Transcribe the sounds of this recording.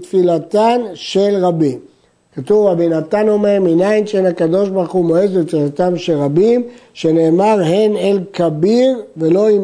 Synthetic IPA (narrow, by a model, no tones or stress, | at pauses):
t̪filat̪anʃe̞lʁabim | kat̪uvabinat̪ano̞meʁminainʃenakad̪o̞ʃ̬baχumoezet̪filat̪amʃelʁabimʃe̞ne̞ːmaʁɦenelkabiʁve̞lo̞i